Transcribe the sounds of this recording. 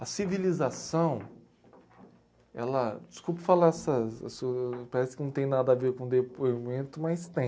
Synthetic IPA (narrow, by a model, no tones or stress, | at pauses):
ɐsivilizasɐ̃w̃ | ɛ̰lɐd͡ʒɪskupɐfalaɛsɐɛ̰supaɾɛsɪkɪnɐ̃t̪ẽj̃nad̪ɐaveɾkõd̪epoimẽnt̪ʊmajst̪ẽ